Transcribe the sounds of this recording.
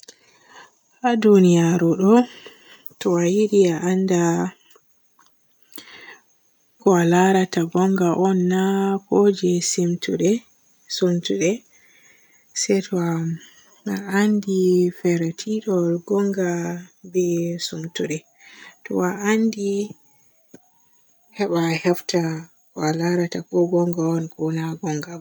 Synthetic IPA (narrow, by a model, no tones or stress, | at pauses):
hadunijaɾɔɗɔ | tɔajiɗiaʔanda | kɔalaɾataɡɔŋɡaʔɔnːakod͡ʒɛsimtuɗɛ | sumtuɗɛ | sɛtʰɔa | aandifɛɾatʰiɗɔɡɔŋɡabɛsumtuɗɛ | tɔ̰aandi | hɛɓahɛfta | kɔalaɾatakɔɡɔŋɡaɔnkɔnaɡɔŋɡab